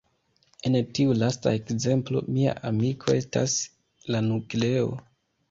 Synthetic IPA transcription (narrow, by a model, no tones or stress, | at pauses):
e̞ntiulastae̞kze̞mplo̞̰mia̰ʔamikʰo̞e̞sta̰s | lanukle̞o̞̰